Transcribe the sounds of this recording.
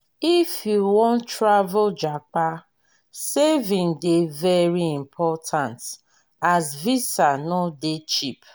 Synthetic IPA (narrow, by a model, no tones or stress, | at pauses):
ifjuwɔ̃ntɹavʊd͡ʒak͡pa | sevĩŋdevɛɹiimpʰɔtʰãnt | azvisanɔdet͡ʃip